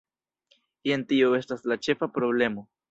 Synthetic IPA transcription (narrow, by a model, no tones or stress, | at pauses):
ientio̞e̞staslat͡ʃe̞fapɾo̞ble̞mo̞